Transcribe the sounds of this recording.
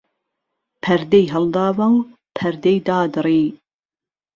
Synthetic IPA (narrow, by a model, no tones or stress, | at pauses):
pʰɐɾd̪ejɦɐld̪ɑːvɐŋ | pʰɐɾd̪ejd̪aːd̪ɨɾiː